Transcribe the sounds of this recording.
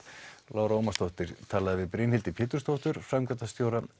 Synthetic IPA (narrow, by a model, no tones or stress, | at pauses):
laːwɾaoːmast̪owht̪ɪɾ̥t̪ʰaːlaðɪvɪðpɾejnhɪlt̪ɪpʰɪːt̪ʏ̥ɾst̪oht̪ʏɾ̥fɾamkɛt̪ast̪jowɾa